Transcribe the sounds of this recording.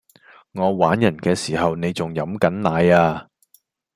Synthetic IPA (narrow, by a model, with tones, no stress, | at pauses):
ŋɔː˨˧waː˨˥njɐ˨˩nkɛː˧siː˨˩hɐ˨wne˨˧jt͡sʊ˨ŋjɐ˨˥mkɐ˨˥nlaː˨˧jaː˧